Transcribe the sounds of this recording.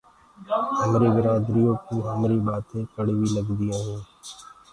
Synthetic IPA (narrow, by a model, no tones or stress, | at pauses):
əmɾiːʋɪɾaːd̪ɾiːõːkũːɦəmɾiːɓaːt̪ẽːkəɽʋiːləɡd̪iãːɦẽː